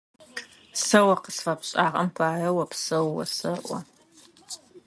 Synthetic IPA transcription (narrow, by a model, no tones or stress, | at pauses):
sɐwɐqəsfɐpɕʼaːʁɐmpʰaːrɐwɐpsɐwːɐ̰sɐʔʷɔ